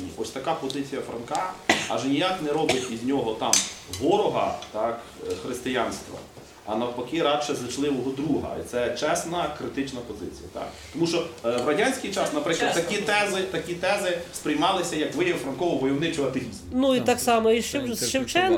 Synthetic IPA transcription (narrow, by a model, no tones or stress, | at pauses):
ḭʔɔsʲt̪ɐkɑpɔzɪt͡sʲijɐfɾɐnkɑɐ̰ʒenʲijat̪nɛɾɔbɪtʲizʲnʲɔɦɔt̪ɑmɦɔɾɔɦɐ̰t̪ɑk | xɾɪst̪ɪjanst̪ʋɐ̰ | ɐ̰nɐwpɐkɪɾɑʃɛzlˠɪt͡ʃlˠɪʋɔɦɔd̪ɾuɦɐ̰ḭt̪sɛt͡ʃɛsnɐkɾɪt̪ɪt͡ʃnɐpɔzɪ̰t͡sʲijɐ̰t̪ɑ̰k | t̪ɔmuʃt͡ʃɔwɾɐdʲanʲsʲkijt͡ʃɑsnɐpɾɪklˠɐd̪t̪ːɐkʲit̪ɛzɪt̪ɐkʲit̪ɛzɪspɾɪjmɑlˠɪsʲɐjɐkʋɪjɐʋfɾɐnkɔʋɔʋɔjɔwnɪt͡ʃɔɐt̪eʋʲizmnuit̪ɑksɑmɔiʃt͡ʃʃɪwt͡ʃɛn